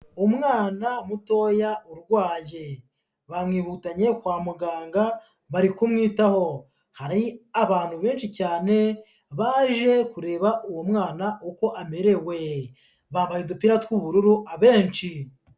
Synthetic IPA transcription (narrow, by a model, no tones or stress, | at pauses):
umŋaːnamuto̞ːjaʔuɾɡwaːje | βamŋiːhutaɲe̞kwaːmuɡaːŋɡa | βaɾikumŋiːtaho̞ | haɾiaβaːn̥huβe̞ːnʃicaːne̞ | βaːʒe̞kuɾe̞ːβaʔuwomŋaːnaʔuko̞ʔame̞ɾe̞we̞ | βaːmbajedupiɾatkwuβuɾuɾuʔaβe̞ːnʃi